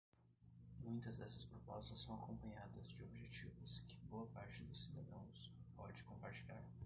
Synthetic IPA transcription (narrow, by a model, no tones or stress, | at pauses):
mũj̃t̪ɐzd̪ɛsɐ̥spɾopɔst̪ɐsːɐ̃w̃akõmpɐ̃ɲad̪ɐzd͡ʒɪobʒet͡ʃivʊskɪ̥boɐpaɾt͡ʃɪd̪ʊsid̪ad̪ɐ̃w̃s | pɔd͡ʒɪkõmpaɾt͡ʃiʎʲa̰ɾ